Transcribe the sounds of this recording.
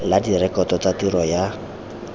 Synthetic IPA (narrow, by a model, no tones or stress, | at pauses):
ladirɛkɔtɔt͡satiɾɔja